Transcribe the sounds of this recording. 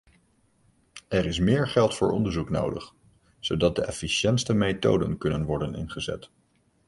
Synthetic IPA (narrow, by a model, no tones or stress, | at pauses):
ɛɾɪs̬mɪːɹχɛlˠtfʊːɹʔɔndəɹzukno̰wdə̰χ | z̥owdɑt̚dəʔɛfiʃɛntstəmejto̰wdə̰nkɵnənʋɔɹdənɪ̰nχəzɛ̰t